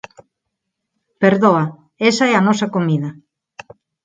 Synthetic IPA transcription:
peɾðoɐ | esɐɛɐnɔsɐkomiðɐ

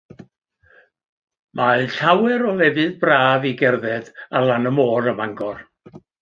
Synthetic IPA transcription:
mʔaɨɬawɛɾɔlɛvɨðbraːviɡɛrðɛdalˠanəmoːɾəmaŋɡɔr

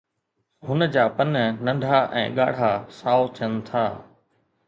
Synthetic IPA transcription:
ɦʊnəd͡ʑaːpɐnnɐ̃ɳɖʱaʔɛ̰̃ːɠaːɽ̤aːsaːot̪ʰənt̪ʰaː

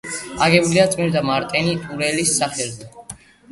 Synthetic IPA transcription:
aɡɛbuliat̪sʼmiɾd̪amaɾt̪ʼɛniuɾɛlisːaχɛlzɛ

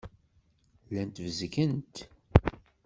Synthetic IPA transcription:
lænt̪vəzkənt̪

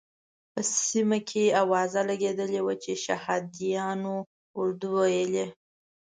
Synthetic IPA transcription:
pəsimakʰeawɑzalaɡed̪əlewat͡ʃeʃahɑd̪ijɑno | ʊɾd̪uwajəle

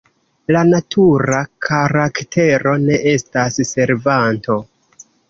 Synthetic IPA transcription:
lanatʰuɾakʰaɾaktʰe̞ɾo̞ne̞ʔe̞stasse̞ɾvanto̞

